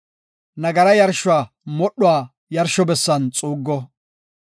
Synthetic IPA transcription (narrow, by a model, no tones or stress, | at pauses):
nɐɡɐɾɐjɐɾʃʊaː | mɔɗːʊwaː | jɐɾʃːɔbɛsːɐnt͡sʼuːɡːɔ